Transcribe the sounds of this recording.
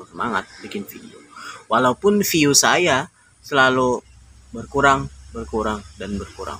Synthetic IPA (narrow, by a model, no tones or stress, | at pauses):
səma̰ŋa̰t̪̚bikɪnfḭdḭowalaupʊnfiusaja | səlalu | bərkuɾaŋbərkuɾaŋdanbərkuɾa̰ŋ